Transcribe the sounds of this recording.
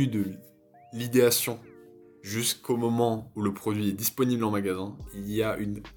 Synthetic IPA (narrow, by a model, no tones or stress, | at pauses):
yd̪ə | lid̪easjɔ̃ | ʒyskomɔmɑ̃uləpχɔd̪ɥiɛd̪ispɔniblɑ̃maɡazɛ̃iliaʔyn